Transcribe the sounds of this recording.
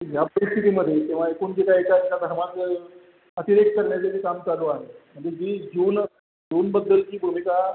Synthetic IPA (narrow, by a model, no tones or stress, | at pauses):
japəɾist̪ʰit̪iːməd̪ʱːjet̪ẽʋ̤aekuːnd͡ʑit̪aekad͡ʑikad̪ʱəɾmanə | ət̪iɾek̪̚kəɾɳjat͡saʈiːkamt͡saluaɦem̤əɳd͡zed͡ʑiːd͡ʑuːn | d͡ʑuːnbəd̪ːəlt͡ɕiːbʱumika